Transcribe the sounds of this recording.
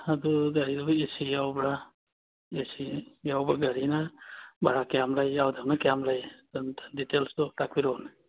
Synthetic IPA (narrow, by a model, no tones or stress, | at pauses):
had̪uɡaɾidɔbaesijawbɽa | esijawbaɡaɾinabaɽakɛjamlajawd̪amnakɛamlajnditelst̪ɔʈakbiɾɔna